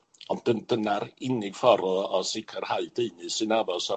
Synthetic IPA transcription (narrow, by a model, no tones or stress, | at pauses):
ɔnd̥ənd̥ənaɾɪnɪɡ̥fɔɾɔɔsɪkʰərhajdeɨnɨsɨnabɔsɔ